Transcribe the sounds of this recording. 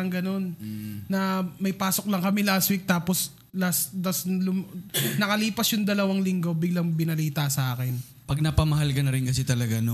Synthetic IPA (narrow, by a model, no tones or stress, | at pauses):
ɐŋɡɐno̞nːɐmɐjpaːsok̚lɐŋkɐmɛlaswik̚t̪aːpos | lasd̪ɐslʊmnɐkɐliːpɐsjʊŋd̪ɐlɐwaŋlɪŋɡo̞bɪɡ̚lɐŋbɪnɐliːt̪ɐsɐʔaːkɛn | pɐɡ̚nɐpɐmɐɦalkɐnɐɾɪnkɐsɛt̪ɐlɐɡano